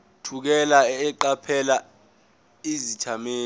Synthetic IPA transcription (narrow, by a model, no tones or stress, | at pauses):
tʰuk̬ɛlaɛǃapʰɛla | izit͡ʃʰameː